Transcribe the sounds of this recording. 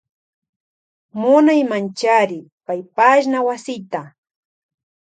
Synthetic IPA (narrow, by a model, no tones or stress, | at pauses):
mʊnajmant͡ʃaɾɪ | pajpaʃnawasɪt̪a